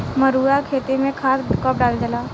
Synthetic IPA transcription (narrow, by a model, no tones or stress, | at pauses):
məɾuːɾakʰeːt̪emẽkʰaːskəp̚ɖaːld͡ʒəlaː